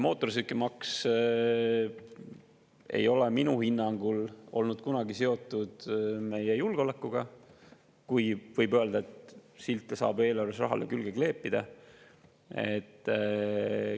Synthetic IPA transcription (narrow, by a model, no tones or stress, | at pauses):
mo̞ːt̪ːˑo̞rs̬ykːemɑks | e̞̰jo̞leminuhinːɑŋɡ̥ulo̞̰lnud̪̥̚kunɑɡiseo̞t̪ːˑud̪̥me̞jejulɡ̥eo̞lekːˑuɡ̥ɑ | kujvɤjbøeld̪ɑet̪silt̪ːˑesɑ̰ːbe̞ːlɑrvesrɑ̰ɦɑ̰lekylɡ̥eɡ̥le̞ːpːˑid̪̥ɑ | e̞t̪ˑː